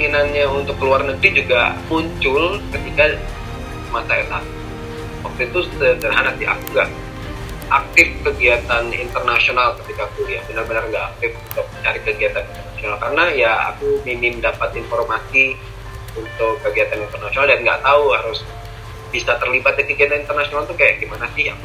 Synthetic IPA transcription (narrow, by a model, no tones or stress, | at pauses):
ŋinanɲaunt̪ʊkːəluarnəɡɾid͡ʒuɡa̰muɲt͡ʃʊlkət̪ika | masaetak̚ | wak̚t̪uit̪ʊsədərɦanasia̰kuŋɡaʔ | ak̚t̪ɪfkəɡiat̪anḭnt̪ərnasionalkət̪ikakujabənərbənərŋɡaʔak̚t̪ɪf | kaət͡ʃaɾikəɡiat̪anint̪ərnasionalkaɾənajaa̰kumimɪmdapat̪informasi | unt̪ʊkːəɡiat̪anint̪ərnasionaldaʔŋɡa̰ʔt̪auhaɾʊs | b̥isat̪ərlibat̪̚dakəɡiat̪anint̪ərnasionalt̪uhkajaʔɡimanasɪha